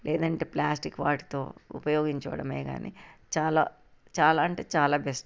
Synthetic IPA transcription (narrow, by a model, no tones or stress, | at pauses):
lʔeːd̪ɐɳʈeːplaːsʈikːʋaːʈi̥t̪o̞̰ːṵpɐjo̞ːɡiɲt͡ʃɐʋɐɽɐmeːɡa̰ːnʔḭt͡ʃaːla̰ː | t͡ʃaːlaːɐɳʈeːt͡ʃaːlaːbesʈ